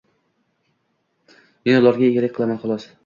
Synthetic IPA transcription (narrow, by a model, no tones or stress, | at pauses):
menʊlˠɒɾɡʲaeɡʲaɾakʲqʰɨlˠamanχɒlˠɒs